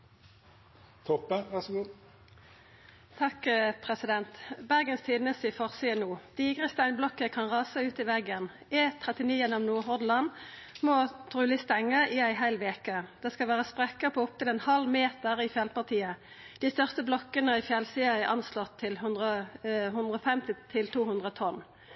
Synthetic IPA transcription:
t̪ʰɔpːəʋæsɡuː | t̪ʰɑkpʰʁɛsɪd̪ɛnt̪bæʁɡənst̪ʰiːd̪nəst̪ɪfɔʁsiːənuːd̪̥iːɡʁəst̪æɪnblɔkːəkʰɑnʁɑːsəʉːt̪ɪʋɛɡən | ɛːt̪ʰːʁɛt̪ɪniːjɛnɔmnuːʁɦɔʁd̪lɑn | mɔt̪ʰʁʉːlɪst̪ɛŋːəɪæɪɦæɪlʋeːkəd̪̥ɛskɑlʋæːʁəspʁɛkəpʰɔɔp̚t̪ɪlɛnhɑlmeːt̪əʁɪfjɛlpɑʁt̪ʰiːə | d̪̥ist̪œʁst̪əblɔkːənəɪfjɛlsiːɑæʔɑ̰nslɔt̪ʰːɪlhʉnd̪ʁəɦʉnd̪ʁəɔfɛmt̪ɪt̪ʰɪlt̪ʰuːhʉnd̪ʁət̪ʰɔn

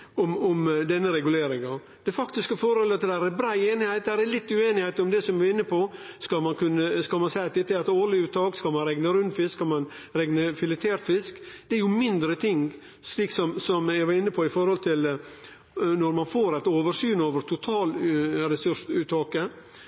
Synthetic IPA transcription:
ɔmɔmd̪ɛnːəɾɛɡʉleːɾɪŋɑ | d̪̥ɛfɑkt̪ɪskəfɔɾhɔlɑt̪d̪ɛd̪æːɾɛbɾæːeːnɪhæɪt̪̚d̪æɾɛlɪt̪ːʉeːnɪhæɪt̪ɔmd̪ɛsɔmʋɪɪnːəpʰɔ | skɑlmɑnkʉnːəskɑlmɑnsæɪɑt̪̚d̪ɛt̪ːəɾɛt̪oːlɪʉːt̪ɑːkskɑlmɑnɾɛŋnəɾʉnd̪fɪskɑlmɑn | ɾɛŋnəfɪlɪt̪ʰeːɾt̪fɪskd̪ɛɛɾjʊmɪnd̪ɾət̪ʰɪŋ | sliːksɔmsɔmæɡʋɑɾɪnːəpʰɔɪfɔɾhɔlt̪ʰɪl | nɔɾmɑnfoːɾæɪt̪oːʋəɾʂyːnoːʋəɾt̪ʰʊt̪ʰɑːlɾɛsʉʂʉːt̪ɑːkə

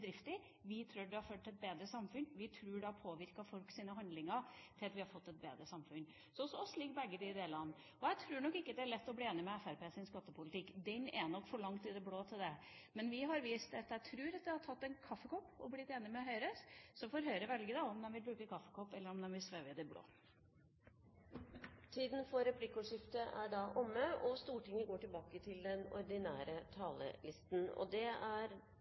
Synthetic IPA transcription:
d̪ɾɪft̪ə | ʋɪt̪ʰɾuːɖɛhɑɾføt̪ːɪɛt̪̚beːd̪ɾəsɑmfʉnʋɪt̪ʰɾʉːɖɛhɑɾpʰoːʋɪɾkɑfɔlksiːnəɦɑnd̪lɪŋɑɾt̪ʰɪlɑt̪ʋɪhɑɾfɔt̪ːɛt̪̚bḛːd̪ɾəsɑmfʉn | sɔɔsɔɔsːliːk̚bɛɡːədɪɪd̪eːlɑnː | ɔjæɪt̪ʰɾʉːɳɔkːɪkːəd̪ɛæɭɛt̪ːɔbliːeːnɪmɛɛfæɾpeːsɪnskɑt̪ːəpʰʊlɪt̪ʰɪkːd̪ɛnɛnɔkːfɔɭɑŋt̪ɪd̪ɛbloːt̪ʰɪld̪ɛ | mɛnʋɪɦɑɾʋiːst̪ɑt̪jæɪt̪ʰɾʉːɾɑt̪̚d̪ɛhɑʈʰɑt̪ːɛnkʰɑfːəkɔpːɔblɪt̪ːeːnɪmɛɔɦœʏɾəssɔfɔɾɦœʏɾəʋɛlɡəd̪ɑɔmd̪ɛnʋɪlbɾʉːkəkʰɑfːəkʰɔpːɛlːəɾɔmd̪ɛnʋɪsʋøːʋɪd̪ɛblo̰ː | t̪ʰiːd̪n̩fɔɾɛpʰlɪkːʊʂɪft̪əʔæɖɑʔʊmːəɔst̪uːʈɪŋːəɡoːʈɪlbɑːkət̪ʰɪld̪ɛnɔ̰ɾd̪ɪnæːɾət̪ʰɑːlə̰lɪst̪n̩ɔ̰d̪ɛæɾ

